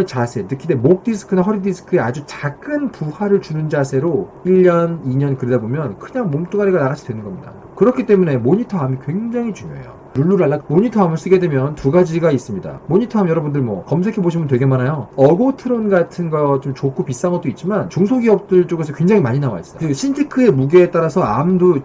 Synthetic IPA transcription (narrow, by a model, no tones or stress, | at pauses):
t͡ɕasʰe̞nɯkʰide̞mok̚t͈isʰɯ̥kʰɯnaɦʌɾidisʰɯ̥kʰɯe̞ad͡ʑut͡ɕaɡɯnpuhwaɾɯɭt͡ɕunɯnd͡ʑasʰe̞ɾoiʎːʌniɲʌnkɯɾedabomjʌnkɯɲaŋmomt͈ʰoɡaɾiɡanaɡat͡ɕʰi̥dwe̞nɯnɡʌmɲida̰ | kɯɾʌkʰit͈e̞mune̞moɲitʰʌɦamikwe̞ŋd͡ʑaŋit͡ɕuɲjo̰ḛjo̰ | ɾuɭːuɾaɭːamoɲitʰʌamɯɭs͈ɯɡe̞dwe̞mjʌntuɡad͡ʑiɡais͈ɯmɲida̰moɲitʰʌamjʌɾʌbundɯɭmwʌkʌmsʰe̞kʰe̞boɕʰimɯnt̬we̞ɡe̞manajoʌɡotʰɯɾonɡatʰɯnɡʌt͡ɕomt͡ɕokʰupis͈aŋʌt͈oit̚t͡ɕ͈imant͡ɕoŋsʰoɡiʌp̚t͈ɯɭt͡ɕ͈oɡe̞s̬ʰʌkwe̞ŋd͡ʑaŋimaɲinawa̰is͈ʌɕʰind͡ʑʰikʰɯe̞muɡeet͈aɾasʰʌa̰mdo